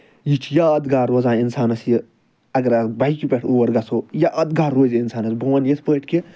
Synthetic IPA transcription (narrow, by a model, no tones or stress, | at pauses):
jit͡ʃʰjaɐd̪ɡaːɾoːzãːinsaːnɐsji | ɐɡɐɾɐbɐikipʲeʈʰoːwɐɾɡɐsʰojaʔɐd̪ɡaːɾːoːzʲiinsaːnɐsbɐwɐnjespəːʈʰkʲi